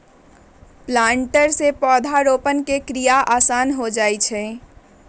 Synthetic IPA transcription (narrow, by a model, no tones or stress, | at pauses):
plaːɳʈəɾsepɔːd̪ʱaɾoːpənkekɾijaʔaːsaːnɦod͡ʒaːɛt͡ʃʰɛ